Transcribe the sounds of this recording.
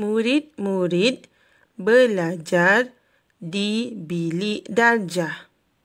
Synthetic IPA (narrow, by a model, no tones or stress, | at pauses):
muɾit̪̚muɾit̪̚ | bəlad͡ʒar | dibiliʔdard͡ʒah